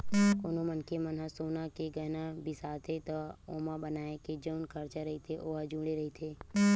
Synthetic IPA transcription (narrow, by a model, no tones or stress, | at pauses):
koːnõmənkemənɦasoːnakeɡəɦnabʱisaːt̪ʰet̪ooːmabənaːeked͡ʒəʊnkʰɐɾt͡ʃaɾɐɦit̪ʰeʔoːɦad͡ʒũːɽeɾɐɦit̪ʰeː